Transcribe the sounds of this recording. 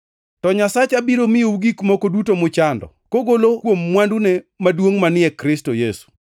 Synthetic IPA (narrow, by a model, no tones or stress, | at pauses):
tɔɲasat͡ʃabiɾomɪjouɡikmokodutomʊt͡ʃandɔ̰ | koɡolokwomːwandunemadwoŋmanɪɛkɾɪstojesu̥